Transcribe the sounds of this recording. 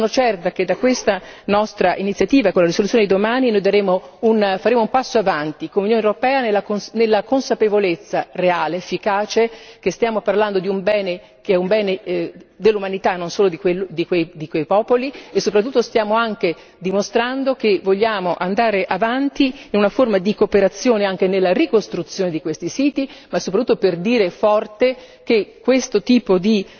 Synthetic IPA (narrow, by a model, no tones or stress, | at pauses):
sonot͡ʃɛrt̪ak̟ed̪akwest̪anɔst̪ɾaʔinit̪sjat̪iːvaekolaɾisolut̪sːjoned̪id̪omaːninojd̪aɾeːmounfaɾeːmoumpasːoavant̪ikomunjoːneoɾopɛːanelːakonelːakonsapevolet̪sːareaːleefːikaːt͡ʃekest̪jaːmoparland̪od̪iumbɛːne | keɛumbɛːned̪elːumanit̪anːonsoːlod̪ikwelːod̪ikwejd̪ikwejpɔːpoliesːopɾat̪ːut̪ːost̪jaːmoaŋke | d̪imost̪ɾand̪ok̟evoʎːaːmoʔand̪aːɾeʔavant̪iinunaformad̪ikopeɾat̪sːjoːneaŋk̟enelːarikost̪ɾut̪sːjoːned̪ikwest̪isiːt̪imasːopɾt̪ut̪ːoperd̪iːɾefɔrt̪e | k̟ekːwest̪ot̪iːpod̪i